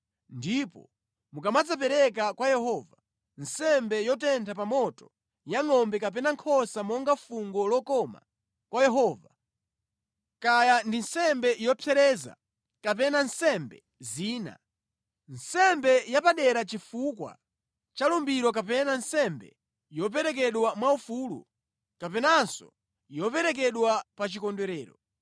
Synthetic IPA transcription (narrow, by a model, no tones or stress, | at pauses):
ndipɔ̰ | mukamad͡zap̬ɛɾɛkakwajɛɦɔva | nsɛmbɛjɔtɛntʰapamɔtɔ̥ | jaŋɔmbɛkapɛnaŋkʰɔsamɔŋɡafuŋɡɔlɔkɔma̰ | kwajɛɦɔːva | kajandinsɛmbɛjɔpʰɛɾɛza̰ | kap̬ɛnansɛmbɛ̰ | ziːna̰ | nsɛmbɛjapaɗɛɾat͡ʃifukwa̰ | t͡ʃalumbiɾɔk̬apɛnansɛmbɛ̰ | jɔp̬ɛɾɛk̬ɛɗwamwaufulṵ | kapɛnansɔ̰ | ijɔpɛɾɛk̬ɛɗwapat͡ʃikɔndɛɾɛːɾɔ̰